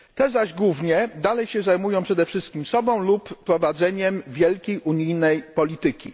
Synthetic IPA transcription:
t̪ɛzaʑɡwuvɲɛd̪alɛjɕɛzajmujɔ̃w̃pʂɛd̪ɛfʂɘst̪̚kʲimsɔbɔ̃w̃lupːɾɔvad̪zɛɲɛmvʲjɛlkʲejʔuɲijnɛjpɔlʲit̪ɘkʲḭ

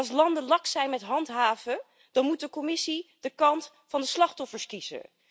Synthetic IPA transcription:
lˠs̬lɑndəlɑksɛjnmɛtɦɑntɦaːvə | d̥ɑnmut̚dəkomɪsid̥əkɑnt | fɑndəslɑχtɔfəɹskiz̥ə̰

